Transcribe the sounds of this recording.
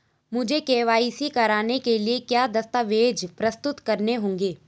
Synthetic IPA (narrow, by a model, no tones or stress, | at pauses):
mʊd͡ʒʱekeːʋaːisikɐɾaːnekeliekjaːd̪ɐst̪aʋeːd͡ʒpɾɐst̪ʊt̪kɐɾneɦõːŋɡeː